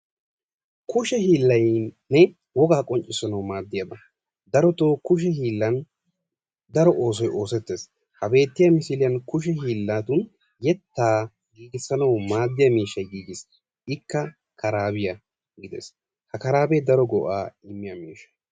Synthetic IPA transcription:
kʊʃɛɦiːlːɐjː | ɛ | wɔɡaːkʼɔnt͡ʃʼɪsɐnɐwmaːd̪ːɪjɐb̪ɐ | d̪ɐɾɔt̪oːkʊʃ̬ɛhiːlːɐn | d̪ɐɾɔʔo̞ːs̬ɔjo̞ːsɛt̪ːe̞ːs | hɐbe̞ːt̪ːɪjɐmɪsɪlɪjɐnkʊʃ̬ɛhiːlːaːt̪ʊn | jɛt̪ːaː | ɡiːɡɪsːɐnɐwmaːd̪ːɪjɐmiːʃːɐjɡiːɡɪs | ɪkːɐ | kʰɐɾaːbɪjɐ | ɡɪd̪ɛ̰s | hɐkɐɾaːbed̪ɐɾɔɡɔʔaːɪmːɪjɐmiːʃɐ̥j

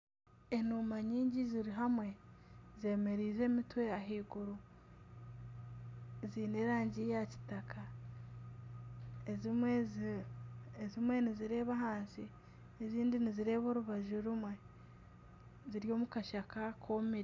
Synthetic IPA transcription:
enuːmaɲiːɲɟiziɾiɦamwe̞ze̞ːme̞ɾiːze̞ːmitwe̞aɦiːɡuɾu | ziːne̞ːɾaːɲɟijaci̥takʰa | ezwe | ezimwe̞niziɾe̞ːβaɦaːnsi | eziːndiniziɾe̞ːβo̞ːɾuβaʒuɾumwe̞ | ziɾjo̞ːmukaʃakakʰoːmiɾ

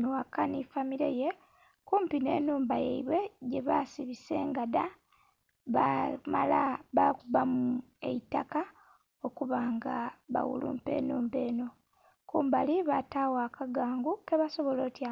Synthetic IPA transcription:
nakanifamiɾe̞̰je̞ | kuːmpine̞̰ːnuːmbajḛiβwe̞ɟe̞βasiβise̞ːŋɡada | βamalaβakuβamu | e̞̰itaka | o̞kuβaːŋɡaβa̰wṵlṵːmpe̞̰ːnuːmbe̞ːno̞ | kuːmbaliβataːwakʰaɡaːŋɡukeβaso̞βolo̞ːtja

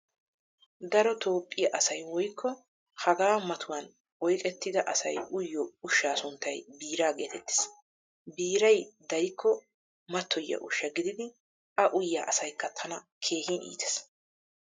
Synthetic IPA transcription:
d̪ɐɾɔt̪ʰo̞ːpʼːɪjɐʔɐsɐjwɔjkʰːɔ | hɐɡaːmɐt̪ʰʊwɐn | ɔjkʼɛt̪ːɪd̪ɐʔɐsɐjʊjːɔʊʃːaːsʊnt̪ːɐjbiːɾaːɡe̞ːt̪ɛt̪ːɪ̥s | biːɾɐjd̪ɐjkʰːɔ | mɐt̪ʰːɔjːɐ̰ʔʊʃːɐɡɪd̪ɪd̪ɪ | ʔɐʔʊjːaːʔɐsɐjkːɐt̪ʰɐnɐ | kʰe̞ːhinḭːt̪ɛ̥s

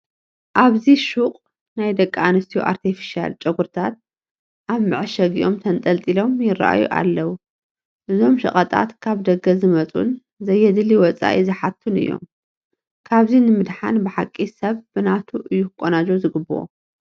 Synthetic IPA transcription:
ʔaβziʃuqʼ | najd̪ɐkʼːaanɐst̪ʰijuʔa̰ɾt̪ʰifi̥ʃia̰lt͡ʃʼɐɡuɾt̪ʰat̪̚ | ʔaβmɨʕɨʃɐɡiʔo̞mt̪ʰɐnt̪ʼɐlt̪ʼilo̞mjɪrːa̰ʔa̰jṵʔa̰lːɐwu | ʔɨzo̞mʃɐ̰χʼɐt̪ʼa̰t̪kʰaβd̪ɐɡɐzɨmɐt͡sʼṵn | zɐjːɛd̪ɨliwɔt͡sʼa̰ʔizɨħat̪ʰːunɨ̰jːo̞̰m | kʰaβzinɨmɨd̪ħanbɨħakʼːisɐβb̥ɨnat̪ʰuʔɨjːuɨkʼːonad͡ʒozɨɡɨbɨʔo̰

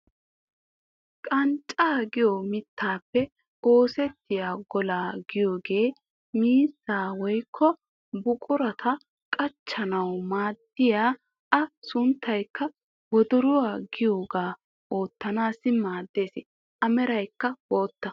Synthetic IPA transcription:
kʼɐnt͡ʃʼaːɡɪjomɪt̪ːaːpːɛ | oːsɛt̪ːɪjaːɡɔlaːɡ̥ɪjo̞ːɡe̞ː | miːsːaːwɔjkʰːɔ | bʊkʼʊɾɐt̪ʰɐ | kʼɐt͡ʃːɐnɐwmaːd̪ːɪjaː | ʔɐsʊnt̪ːɐjkːɐ | wɔd̪ɔɾʊwaːɡɪjo̞ːɡaː | ʔoːt̪ːɐnaːsɪmaːd̪ːe̞ːsɪ | ʔɐmɛɾɐjkːɐwo̞ːt̪ːɐ

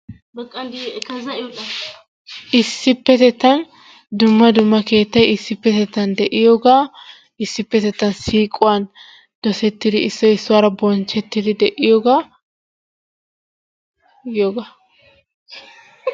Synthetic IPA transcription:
bɐkʼːɐd̪kɐzɐɪjɔᶑɐ | ʔɪsːɪpːɛt̪ɛt̪ːɐn | d̪ʊmːɐd̪ʊmːɐke̞ːt̪ːɐjɪsːɪpːɛt̪ɛt̪ːɐnd̪ɛʔɪjoːɡaː | ɪsːɪpːɛt̪ɛt̪ːɐnsiːkʼʊwɐn | d̪̥ɔsɛt̪ːɪd̪ɪɪsːɔɪsːʊwaːɾɐbɔnt͡ʃːɛt̪ːɪd̪ɪd̪ɛʔɪjɔɡaː | jjoːɡa

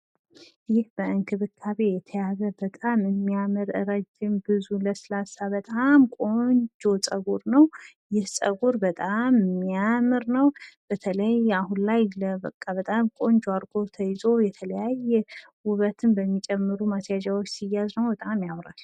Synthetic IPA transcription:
jɪhbəɨŋkʰɨβɨkʰːaβe̞jɛt̪ʰəjazəbət̪ʼamɨmːijamɨɾɨ̰ɾad͡ʒɪnbɨzuləsɨlasabət̪ʼamkʼo̞ɲd͡ʒo̞t͡sʼəɡuɾnəw | jɪhsʼə̰ɡuɾbət̪ʼamːijamɨɾnəwb̥ət̪ʰələjahunlajləbəkʼːabət̪ʼamkʼo̞nd͡ʒoaɾɡo̞t̪ʰəjzo̞jɛt̪ʰələjajːɛ | wʊβət̪ʰɨnbəmːit͡ʃʼɛmːɨɾumasjad͡ʒawot͡ʃːsijːaznəwbət̪ʼamjawɾal

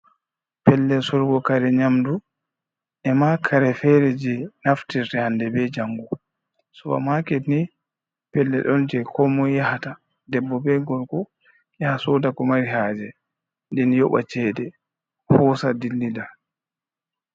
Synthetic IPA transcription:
pɛlːɛsɔɾɡɔkaɾɛɲamdu | ɛmakʰaɾɛfɛɾɛd͡ʒɛnaftitɛhandɛbɛd͡ʒaŋɡu | sɔba̰makɛni | pɛlːɛɗɔnd͡ʒɛkʰɔmɔjahata | dɛbːɔbɛɡɔlkɔ | jahasɔdakɔmaɾiɦaːd͡ʒɛ | ndɛnjɔɓa̰t͡ʃɛːdɛ | hɔsadilːida

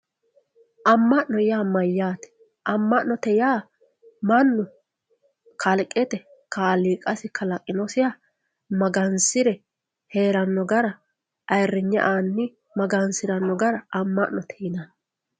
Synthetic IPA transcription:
ʔɐmːɐʔnɔjaːmɐjːaːt̪ɛ̥ | ʔɐmːɐʔnːɔt̪ɛjaː | mɐnːʊ | kʰɐlkʼːɛt̪ɛkaːliːkʼɐsɪkʰɐlɐkʼːɪnɔsɪjaː | mɐɡɐnsɪɾɛ | he̞ːɾɐnːɔɡɐɾɐ | ʔɐjrːɪɲːɐ̰ʔaːnːɪ | mɐɡɐnsɪɾɐnːɔɡɐɾɐʔɐmːɐʔnɔt̪ʰɛjɪnan

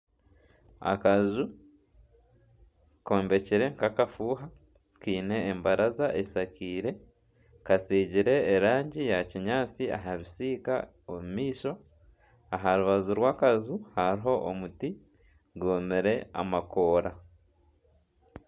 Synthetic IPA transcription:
a̰kazu | ko̞ːmbe̞ciɾe̞ŋkakafuːɦa | kiːne̞ːmbaɾazaʔesakiːɾe̞ | kasiːɟiɾe̞ːɾaːɲɟijaciɲaːt͡sia̰ɦaβisiːka̰ | omumiːʃo̞ | aɦaɾuβazuɾwaːkazuhaɾiɦo̞ʔomuti | ɡoːmeɾe̞a̰mako̞ːɾa

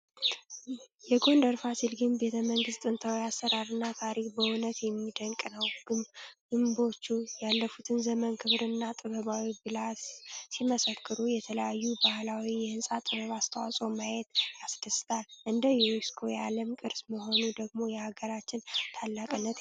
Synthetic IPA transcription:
jɛɡo̞nd̪əɾfasilɡɨnbe̞t̪ʰəməŋɡɨst̪ʼɨnt̪ʰawiasːəɾaɾɨnːat̪ʰaɾikbəʊnət̪jɛmːid̪əŋkʼnəwɡɡ̥ɨmbo̞t͡ʃːujalːəfut̪ʰɨnzəmənkʰɨβɾɨnːat̪ʼɨβəβawibɨlassiməsəkʰːɨɾujɛt̪ʰələjajːubahlawijɛɨnsʼat̪ʼɨβəβast̪ʰawasʼomajɛt̪asd̪əsɨ̥t̪ʰalʔɨnd̪əjɛɾiskʰo̞jaləmkʼɨɾsməɦo̞nud̪əɡmo̞jɛhaɡəɾat͡ʃːɪnt̪ʰalːakʼɨnːət̪

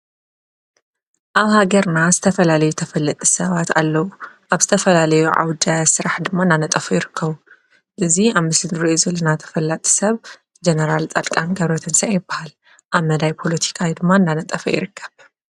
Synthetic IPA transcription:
ʔaβhaɡɐɾnazɨt̪ʰɐfɐlalɐjut̪ʰɐfɐlːɐt̪ʼi̥sɐβat̪a̰lːɐwuʔaβz̥ɨt̪ʰɐfɐlalɐjuʕa̰wd̪asɨɾaħd̪ɨmːaɨnd̪anɐt̪ʼɐfujɪɾɨkʰːɐβu | ʔɨziaβmɨslɨnɨɾiʔuzɨlɐnat̪ʰɐ̥fɐlːat̪ʼi̥sɐβ | d͡ʒenɐɾalt͡sʼalkʼanɡɐβɾot̪ʰɨnsɐʔajɪbːahal | ʔaβmɐd̪ajpʰo̞lɐt̪ʰi̥kʰawd̪ɨmːaɨndanɐt̪ʼɐfɐjɪ̰ɾɨkʰːɐ̥β

